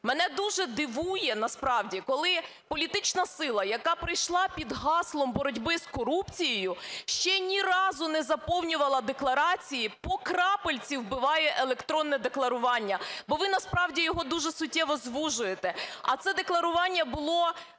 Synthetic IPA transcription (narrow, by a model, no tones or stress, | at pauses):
mɛnɛd̪uʒɛd̪ɪʋujɛnɐspɾɑwdʲikɔlˠɪ | pɔlʲit̪ɪt͡ʃnɐsɪlˠɐjɐkɑpɾɪjʃlˠɑpʲid̪ɦɑslˠɔmbɔɾɔdʲbɪz̥kɔɾupt͡sʲijejʊʃt͡ʃɛnʲiɾɑzʊnɛzɐpɔwnʲʊʋɐlˠɐd̪e̞klˠɐɾɑt͡sʲijipɔkɾɑpelʲt͡sʲiwbɪʋɑjɛʔelˠekt̪ɾɔnːɛd̪eklˠɐɾʊʋɑnʲːɐbɔʋɪnɐspɾɑwdʲijɔɦɔd̪uʒɛsʊtʲːɛʋɔzʋuʒʊjet̪ɛɐt̪sɛd̪e̞klˠɐɾʊʋɑnʲːɐbʊlˠɔ